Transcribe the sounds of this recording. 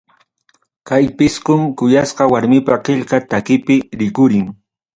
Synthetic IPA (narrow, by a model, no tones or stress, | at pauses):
kajpɪskʊmkʊjasqɑwaɾmɪpaqeʎkat̪akɪpɪɾɪkʊɾɪŋ